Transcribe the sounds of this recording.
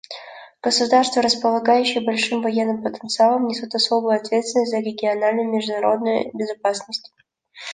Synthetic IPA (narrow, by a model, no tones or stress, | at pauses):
ɡ̥əsʊd̪arst̪vəɾəspəlˠɐɡajʉɕːɪjəbɐlʲʂɨmvɐjenːɨmpət̪ənt̪sɨalˠəmnʲɪsut̪ɐso̞bʊjʊɐt̪vʲet̪st̪vʲɪnəsʲtʲzəɾʲɪɡʲɪɐnalʲnʊjmʲɪʐd̪ʊnɐɾo̞d̪nʊjʊ̰bʲɪzɐpasnəsʲtʲ